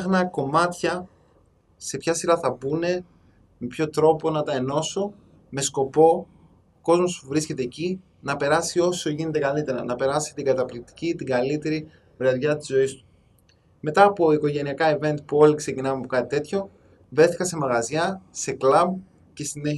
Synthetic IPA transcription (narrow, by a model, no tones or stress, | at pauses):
xnɐko̞mɐt̪çɐ | se̞pçɐsiɾɐθɐbune̞ | me̞pço̞t̪ɾo̞po̞nɐt̪ɐeno̞so | me̞sko̞po̞ | ko̞zmo̞spuvɾisce̞t̪e̞ːci | nɐpe̞ɾɐsio̞so̞ʝine̞t̪e̞kɐlit̪e̞ɾɐnɐpe̞ɾɐsi̥t̪iɡɐt̪ɐplik̚t̪i̥cit̪iɡɐlit̪e̞ɾi | vɾeðʝɐt̪i̥zo̞ist̪u̥ | me̞t̪ɐːpo̞iko̞ʝe̞niɐkɐive̞nt̪̚puo̞likse̞cinɐmeɐpokɐt̪it̪e̞t̪ço̞ | vɾe̞θi̥kɐse̞mɐɣɐzʝɐse̞klɐm | ce̞st̪ineç